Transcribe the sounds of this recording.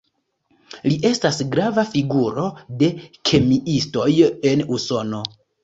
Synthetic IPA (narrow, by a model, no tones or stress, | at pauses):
liʔe̞stasɡɾavafiɡuɾo̞de̞kʰe̞miʔisto̞je̞nuso̞no̞